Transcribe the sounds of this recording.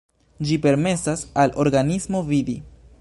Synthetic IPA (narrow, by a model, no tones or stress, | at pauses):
d͡ʒipe̞ɾme̞sasalʔo̞ɾɡanismo̞vidi